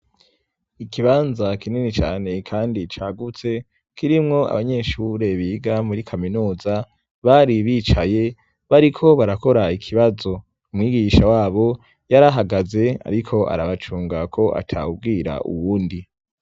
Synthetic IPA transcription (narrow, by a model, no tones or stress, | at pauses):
ikiβaːnzakininit͡ʃa̰ːne̞kʰaːndit͡ʃaːɡut͡se̞ | kiɾimŋo̞a̰βaɲe̞ʃuɾe̞βiɡamuɾikʰaminuːza | βaɾiβiːt͡ʃaje̞ | βaɾikʰo̞βaɾako̞ɾaikʰiβazo̞ | umŋiːɡiʃawaːβo̞ | jaɾaɦaɡaze̞a̰ɾikʰo̞ʔa̰ɾaβat͡ʃuːŋɡakʰo̞ʔa̰tʰa̰ub̚ɡiːɾa̰ʔṵwuːndi